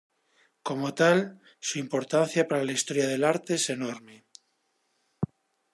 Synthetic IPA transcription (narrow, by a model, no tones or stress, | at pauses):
ko̞mot̪al | suimpo̞ɾt̪anθjapaɾalaist̪o̞ɾjað̞e̞laɾt̪eese̞noɾme